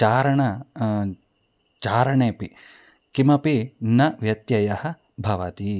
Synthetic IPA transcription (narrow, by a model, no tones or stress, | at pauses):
aːɾɐɳɐ | t͡ʃaːɾɐɳeːpi | kimɐpinɐʋjɐt̪jɐjɐhɐ̆ | bʱɐʋɐt̪i